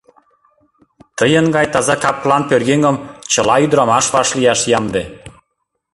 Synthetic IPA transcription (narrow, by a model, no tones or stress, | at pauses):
t̪əjənɡɑjt̪ɑzɑkɑp̚klɑnpørɣeŋɡə̆mt͡ɕə̆lɑyd̪ɾɑmɑʃβɑʃlijɑʃjɑmd̪e